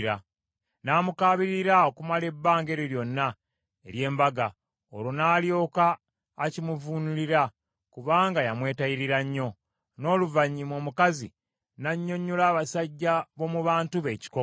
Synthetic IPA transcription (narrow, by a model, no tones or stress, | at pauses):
ɾa | naːmukaːβiɾiɾao̞kumale̞bːaːŋɡe̞ɾiɾjo̞nːa | e̞ɾje̞ːmbaɡa | o̞̰ɾonaːljo̞ːkaː | cimuvunuliɾa | kuβaːŋɡajamwe̞ːtaiɾiɾaɲːo̞ | no̞ːluvaɲːimo̞ːmukazi | naɲːo̞ɲːulaːβasaɟːaβo̞muβaːntuβe̞ːci̥ko